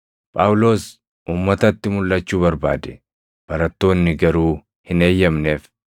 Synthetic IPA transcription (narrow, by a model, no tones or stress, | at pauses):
pʼaːwlo̞ːs | ʔuːmːɐt̪ɐt̪ːɪmʊlːɐt͡ʃːuːbɐɾba̰ːd̪ɛ̥ | b̥ɐɾɐt̪ːo̞ːnːɪɡɐɾuː | hɪne̞ːjːɐmne̞ːf